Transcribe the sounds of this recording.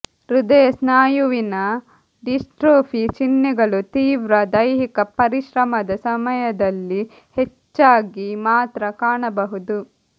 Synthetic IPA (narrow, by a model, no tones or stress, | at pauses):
ɾud̪ɐjɐsnaːjuʋinɐ | ɖisʈɾoːfʰit͡ʃinːɛɡɐɭut̪iːʋɾɐd̪ɐjɦikɐpɐɾiʃɾɐmɐd̪ɐsɐmɐjɐd̪ɐlːi | het͡ʃːaːɡimaːt̪ɾɐkaːɳɐbɐɦud̪u